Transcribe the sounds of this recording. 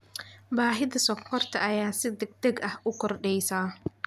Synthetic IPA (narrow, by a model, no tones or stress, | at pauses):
baːɦɪðɐsɔkʰɔrt̪ʰɐʔɐjaːsɪd̪ɐɡ̚d̪ɐɡɐhʔʊkʰɔrɖɛjsaː